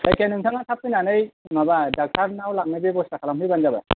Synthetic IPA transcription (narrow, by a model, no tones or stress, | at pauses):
ajkanɯŋtʰaŋatʰap̚ːɯjnanɯjmabadak̚taɾnawlak̚nɯbebɔstakʰalamɦɯjbanzaba